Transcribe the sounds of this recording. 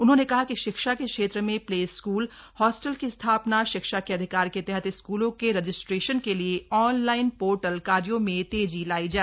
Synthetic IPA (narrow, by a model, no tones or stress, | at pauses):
ʊnɦõnekɐɦakiʃɪkʃakekʃeːt̪ɾəmẽpleːskuːlhɔːsʈəlkist̪ʰaːpnaʃɪkʃakeɐd̪ʱɪkaːɾket̪ɛɦət̪ɪskuːlõkeɾɐd͡ʒɪsʈɾeːʃənkelieɔːnlaːɪnpoːɾʈəlkaːɾjõmẽt̪eːd͡ʒilaːid͡ʒaːɛ